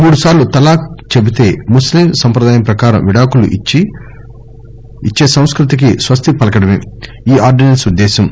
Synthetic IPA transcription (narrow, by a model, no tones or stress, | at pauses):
muːɽusaːɾlut̪ɐlaːk̚t͡ʃebit̪e̞ːmuslimsɐmpɾɐd̪aːjɐmpɾɐkaːɾɐmʋiɽaːkuluʔi | it͡ʃːe̞ːsɐ̃w̃skɾut̪̬ik̬isʋɐst̪ʰipɐlɐkɐɽɐmḛː | iːaːɾɖinɐnsud̪ːɛːʃɐm